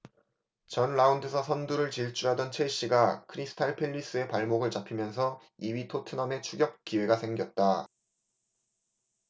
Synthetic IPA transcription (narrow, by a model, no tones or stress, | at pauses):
t͡ɕʌnɭaundɯsʰʌsʰʌnduɾɯɭt͡ɕiɭt͡ɕ͈ʰuɦadʌnt͡ɕʰe̞ɕ͈iɡakʰɯɾisʰɯ̥tʰaɭpʰe̞ʎːis͈ɯe̞paɭmoɡɯɭt͡ɕapʰimjʌnsʰʌ | iwɥitʰotʰɯnʌne̞t͡ɕʰuɡjʌp̚k͈iwe̞ɡasʰe̞ŋɡjʌt̚t͈a